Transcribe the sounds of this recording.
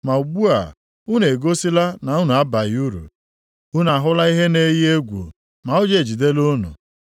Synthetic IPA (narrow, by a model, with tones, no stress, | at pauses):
ma˨u˨ɡ͡bu˦a̰˨ | u˦ne˨ɡo˦si˦la˦na˨u˦nu˨a˦ba˨ju˦ɾṵ˨ | u˦n˨a˨ɦʊ˦la˦i˦ɦe˦ne˦ji˦e˦ɡʷṵ˨ | ma˨o˦d͡ʒe˨d͡ʒi˨de˦lo˦nṵ˨